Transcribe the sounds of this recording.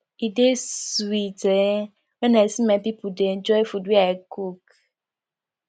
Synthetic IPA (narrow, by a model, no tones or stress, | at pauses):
iɖesuite | enɛ̃simɛ̃pipuɖed͡ʒɔefudiaekuk